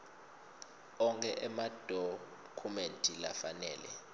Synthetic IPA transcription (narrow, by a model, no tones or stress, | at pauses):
ɔŋkʰʼɛʔɛmad̥ʱɔ | kʰumentʼila̰fanɛːlɛ